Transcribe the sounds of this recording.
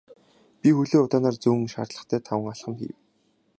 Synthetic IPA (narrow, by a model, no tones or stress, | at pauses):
pʲixɵɮeːʊt̪aːnaːrt͡suːŋ̆ʃa̰rt̪ɮə̆χt̪ʰæːt̪ʰawə̆ŋaɮχə̆mxḭːw